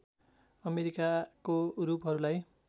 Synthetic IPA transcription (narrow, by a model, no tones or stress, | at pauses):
ʌmeɾikakoɾupɦʌɾulaj